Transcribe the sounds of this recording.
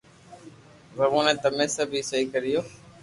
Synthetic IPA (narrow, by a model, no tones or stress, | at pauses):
ʋəʋõːnẽːt̪əmẽːsəbʱiːsəɦiːkəɾɪjoː